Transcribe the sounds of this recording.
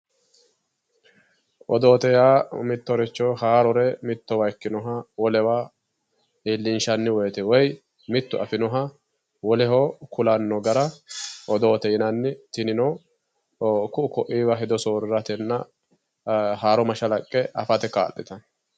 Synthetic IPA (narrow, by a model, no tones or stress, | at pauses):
ʔɔd̪oːt̪ɛjaːmɪt̪ːɔɾɛt͡ʃːɔːhaːɾɔɾɛmɪt̪ːɔwɐjkːɪnɔɦɐwɔlɛwaː | ɪːlːɪnʃɐnːɪwɔjt̪ɛwɔj | mɪt̪ːʊʔɐfɪnɔɦɐ | wɔlɛhoːkʊlɐnːɔɡɐɾɐʔɔd̪o̞ːt̪ɛjɪnɐnːɪt̪ɪnɪnɔː | kʊʔkɔʔiːwɐɦɛd̪ɔsoːɾɾɐt̪ɛnːɐ | haːɾɔmɐʃɐlɐkʼːɛɐfɐt̪ɛka̰ːʔːɛt̪ɐ